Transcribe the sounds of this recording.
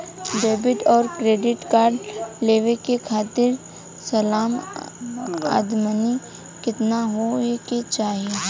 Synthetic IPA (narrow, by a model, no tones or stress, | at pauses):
ɖeːbɪʈɔːɾkɾeːɖɪʈkaːɾɖleːʋekekʰaːt̪ɪɾ | sɐlaːm | a̰ːd̪məni | kɪt̪naɦoeket͡ʃaːɦie